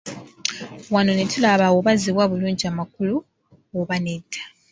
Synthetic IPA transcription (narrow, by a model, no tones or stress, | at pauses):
wano̞netʰulaβawoβaziβwaβuluːɲɟiamakulu | oβanetʰːḁ